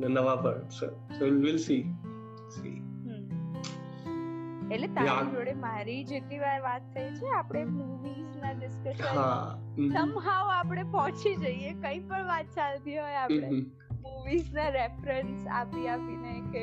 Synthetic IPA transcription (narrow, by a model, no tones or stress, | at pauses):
nenəʋapəɾsə̰ | solʋɪlsi | sḭɦ | eʈlet̪aaoɽemaɾid͡ʒeʈ̪niʋaɾʋat̪ʰːəjt͡ʃʰeapɽ̃emuʋiznaɖɪskəʃɦasəmɦaʋapɽ̃epɔɦt͡ʃʰid͡ʒəiekə̃ĩpəɳʋat̪̚t͡ʃalt̪iɦojapɽe | muʋiznaɾefɾənsa̰piapineke